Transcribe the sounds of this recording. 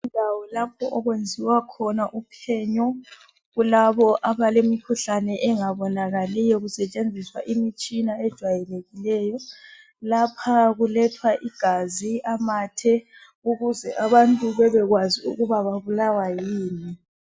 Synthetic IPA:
undʱawɔlapʰɔʔɔɣwend͡zʱiwakʰɔnaʔupʰɛɲɔ | ɣulaβɔʔaβalemikʰuɬanɛʔɛŋaβɔnaɣalijɔɣusɛt͡ʃʼend͡zʱiswa̰ʔimit͡ʃʼinaɛd̥ʒ̥ʱwajɛleɣilɛːjɔ | lapʰaɣulɛtʰwaʔiɡ̥ʱaziamaːtʰɛ | uɣuzɛʔaβantʼuβɛβɛɣwaziṵɣuβaβaβulawajjiːni

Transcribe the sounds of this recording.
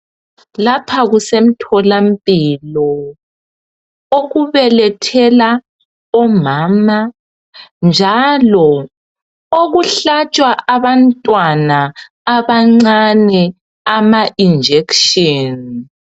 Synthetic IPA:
lapʰaɣusem̩tʰɔlampʼilɔ | oɣuβɛlɛtʰɛla | ɔmaːma | nd͡ʒʱalɔ | oɣuɬat͡ʃʼwaʔaβantʼwanaː | βaŋ͡ǀanɛ | amaʔind͡ʒʱɛkʃɔn

